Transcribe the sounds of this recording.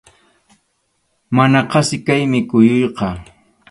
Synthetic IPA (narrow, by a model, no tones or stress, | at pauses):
manaqɑsɪkajmɪkʊjʊjqɑ